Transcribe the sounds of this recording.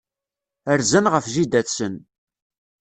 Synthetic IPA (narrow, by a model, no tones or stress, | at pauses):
əɾzənʁəfʒid̪æθsən